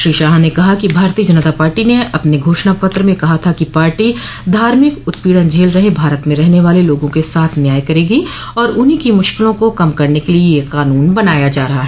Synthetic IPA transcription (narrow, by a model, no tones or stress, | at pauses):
ʃɾiːʃaːɦnekɐɦakibʱaːɾt̪iːəd͡ʒɐnət̪apaːɾʈineɐpniɡʱoːʃnapɐt̪ɾəmẽkɐɦat̪ʰakipaːɾʈi | d̪ʱaːɾmɪkʊt̪piːɽənd͡ʒʱeːlɾɐɦebʱaːɾət̪mẽɾɛɦneʋaːleloːɡõkesaːt̪ʰnjaːjkɐɾeːɡi | ɔːɾʊnɦikimʊʃkɪlõkokɐmkɐɾnekelieekːaːnuːnbɐnaːjad͡ʒaːɾɐɦaɦɛ